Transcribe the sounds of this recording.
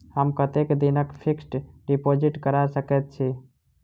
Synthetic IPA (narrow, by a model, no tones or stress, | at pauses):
həmkət̪ekd̪inəkpʰiksʈɖipod͡ʒiʈkəɾaɾsəkɛt̪̚t͡ʃʰi